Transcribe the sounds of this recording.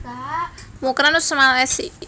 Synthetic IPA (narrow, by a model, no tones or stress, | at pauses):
mokɾãnusəmaasi